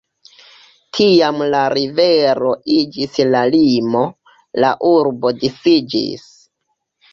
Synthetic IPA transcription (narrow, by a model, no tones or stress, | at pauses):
tʰiamlaɾiveɾo̞id͡ʒislalimo̞ | laʔuɾbo̞disid͡ʒḭs